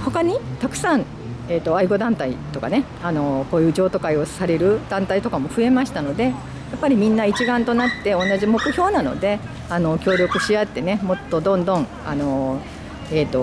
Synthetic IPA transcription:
hokaɲ̟it̪akɯ̟̥sãn | e̞ːt̪ːo̞aiɡo̞d̪ãnt̪ait̪o̞ka̰ne̞ | ano̞ko̞ːjɯːd͡ʑo̞ːt̪o̞kaio̞saɾe̞ɾɯ̟d̪ãnt̪ait̪o̞kamo̞ɸɯ̟e̞maɕi̥t̪ano̞d̪e̞ | japːaɾʲimʲĩnːait͡ɕiɡãnt̪o̞nat̪ːe̞o̞nːaʑimo̞kɯ̟çʲjo̞ːnano̞̰d̪e̞ | ano̞kʲo̞ːɾʲo̞kɯ̟ɕiat̪ːe̞ne̞mo̞t̪ːo̞d̪õ̞nd̪õ̞ɴ | a̰no̞ | eːt̪o̞

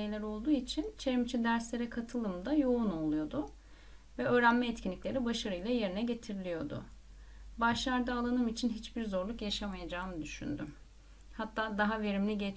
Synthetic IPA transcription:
ejlʲæɾo̞lˠd̪uːit͡ʃʰint͡ʃʰe̞ɾimt͡ʃʰid̪æɾslʲe̞ɾɛkʰat̪ʰɯlˠɯmd̪ajo̞uno̞lˠujo̞d̪ʊ | vɛø̞ːɾænmɛːt̪cʰinlːʲiclʲe̞ɾibaʃaɾɯjlˠaje̞ɾinɛɟe̞t̪ʰiɾilʲijo̞d̪ʊ̰ | baʃlˠaɾd̪aːlˠanɯmit͡ʃʰinɦit͡ʃbiɾzo̞ɾlˠukjaʃamajad͡ʒaːmɯd̪yʃy̰nd̪ym | hat̪ʰːaːd̪aɦave̞ɾimlʲiɟet͡ʃ

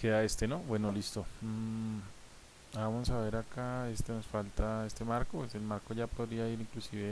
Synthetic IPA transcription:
keðae̞st̪e̞nobwe̞no̞list̪o̞m | amossaβe̞ɾakae̞st̪e̞no̞sfalt̪ae̞st̪e̞maɾkopese̞lmaɾko̞ʝapo̞ðɾiaiɾiŋklusiβe

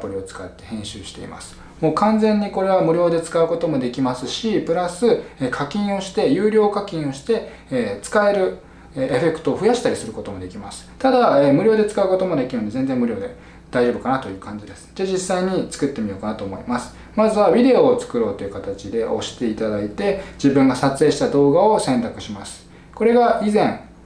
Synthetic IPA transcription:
pːoɾʲio̞t͡sɨ̥kat̪ːe̞hẽ̞ɕɨːɕi̥t̪e̞̰ḭma̰sɨ̥ | moːkãnd͡zẽ̞ɲ̟ːiko̞ɾe̞β̞amɯ̟ɾʲo̞ːd̪e̞t͡sɨ̥kaɯ̟ko̞t̪o̞mo̞d̪e̞kʲimasɨɕipɯ̟ɾasɨekʰakʲĩɰ̃o̞ɕi̥t̪e̞jɯ̟ːɾʲo̞ːkakʲĩɰ̃o̞ɕi̥t̪e̞ː | t͡sɨ̥kae̞ɾɯ̟ | eeɸe̞kɯ̟̥t̪o̞ːɸɯ̟jaɕi̥t̪aɾʲisɨɾɯ̟ko̞t̪o̞mo̞d̪e̞kʲimasɨ̥t̪ad̪aeːmɯ̟ɾʲo̞ːd̪e̞t͡sɨ̥kaɯ̟ko̞t̪o̞mo̞d̪e̞kʲiɾɯ̟nd̪e̞ze̞nd͡ze̞mɯ̟ɾʲjo̞ːd̪e̞ | d̪̥aiʑo̞ːbɯ̟kanat̪o̞jɯ̟ːkãɲ̟d͡ʑid̪e̞sɨ̥dad͡ʑisːaiɲ̟it͡sɨ̥kɯ̟t̪ːe̞mʲijo̞ːkanat̪oːmo̞imasɨ̥ | mazɨβabʲid̪e̞o̞ːt͡sɨ̥kɯ̟ɾo̞ːt̪o̞jiɯ̟kat̪at͡ɕid̪e̞ʔo̞̰ɕi̥t̪e̞it̪ad̪ait̪e̞d͡ʑibɯ̟̃ŋɡasat͡sɨeːɕi̥t̪ad̪o̞ːɡao̞sẽ̞nt̪akɯ̟ɕimasɨ̥ | ko̞ɾe̞ɡaizẽ̞ŋ

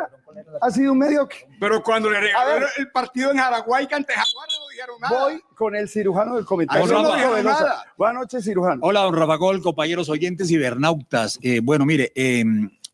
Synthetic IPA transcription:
as̬iðounmeðjoke̥peɾokwand̪o̞lereaoɾelpaɾt̪iðoeŋhaɾaɣwajkant̪ehawananoðiheɾoŋnabojko̞ne̞lsiɾuxanoðelkomẽnaojnraaoeloaðabonanot͡ʃes̬iɾuxano̞laðonrafaɣo̞lko̞mpaɲe̞ɾo̞s̬o̞ʝe̞nt̪e̞s̬iβeɾnawt̪asebwe̞no̞miɾe̞ʔem

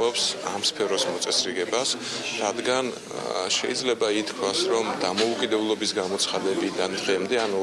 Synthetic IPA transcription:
ɔpsamspʰɛɾɔsmɔt̪sʼɛsɾiʁɛbas | ɾad̪ɡan | ʃɛ̰id̪zlɛbait̪ʰkʰwasɾɔmd̪amɔukʼid̪ɛblˠɔbisɡamɔt̪sʰχad̪ɛbid̪and̪ɛmd̪ɛanu

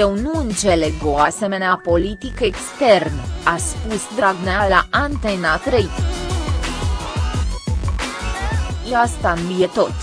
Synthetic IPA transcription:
jewnuɨnt͡ʃeleɡoase̞me̞neapo̞lit̪ikəekst̪e̞rnəaspusd̪ɾaɡnealaʔant̪enat̪ɾeit̪ | jeast̪anujet̪o̞t̪sʲ

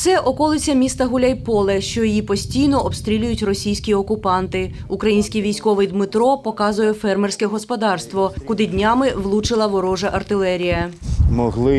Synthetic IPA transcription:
t̪sɛʔɔkɔlˠɪt͡sʲɐmʲist̪ɐɦʊlʲajpɔlˠɛʃt͡ʃɔjɔjipɔsʲtʲijnɔʔɔbst̪ɾʲilʲʊjʊtʲrɔsʲijsʲkʲiɔkʊpɑnt̪ɪ | ukɾɐjinʲsʲkʲiʋʲijsʲkɔʋɪjd̪mɪt̪ɾɔpɔkɑzʊjɛfɛrmersʲkɛɦɔspɔd̪ɑrst̪ʋɔkʊd̪ɪdʲnʲɑmɪʋlˠut͡ʃɪlˠɐʋɔɾɔʒɐʔɐrt̪ɪlˠɛɾʲijɐmɔɦlˠɪ

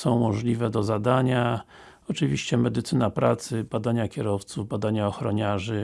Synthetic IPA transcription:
sɔ̃w̃mɔʐlʲivɛd̪ɔzad̪aɲa | ɔt͡ʂɘvʲiɕt͡ɕɛmɛd̪ɘt̪sɘnapɾa̰t̪sɘbad̪aɲakʲɛɾɔft̪suvbad̪aɲaɔxɾɔɲaʐɘ

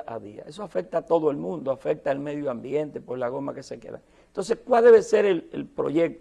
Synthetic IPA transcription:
ʔa̰ðia̰esoafe̞k̚t̪aːt̪o̞ðoe̞lmũnd̪oafek̚t̪aelme̞ðjoambje̞nt̪epweslaɣ̞o̞make̞se̞kḛða̰ | nt̪o̞ns̬e̞skwalðe̞βe̞seɾelḛlpɾo̰ʝe̞k̚t̪

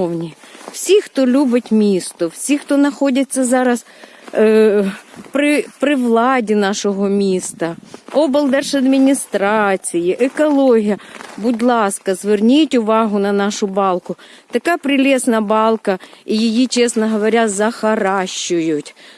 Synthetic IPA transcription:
wnʲiwsʲixt̪ɔlʲubɪtʲmʲist̪ʊwsʲixt̪ɔnɐxɔdʲɐt͡sʲːɐzɑɾɐs | pɾɪpɾɪʋlˠɑdʲinɑʃɔɦɔmʲist̪ɐɔbɐlˠd̪ɛrʃɐd̪mʲinʲist̪ɾɑt͡sʲijiʔɛkɐlˠɔɦʲijɐbʊdʲlˠɑskɐzʋernʲitʲʊʋɑɦʊnɐnɑʃʊbɑlˠkʊt̪ɐkɑpɾɪlʲɛsnɐbɑlˠkɐijɪjit͡ʃɛsnɐɦɐʋɐɾʲazɐxɐɾɑʃːʊjʊtʲ

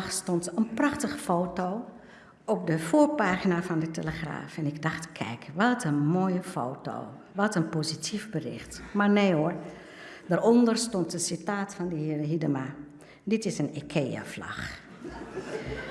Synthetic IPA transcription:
xstɔntənprɑxtəχəfoːtoː | ɔp̚dəfoːɹpaːχinafɑndəteləχra̰ːfɛnɪɡdɑχtkʰɛ̰jkʰʋɔtʰənmoːjəfo̰ːto̰ː | ʋɔtənpoːzitʰivbərɪ̰xtmaɹneːoɹ | daɾɔndərstɔntəsitaːtfɑndəhɪːrəɦidəma | dɪtɪsənekʰeːa̰flɑ̰x

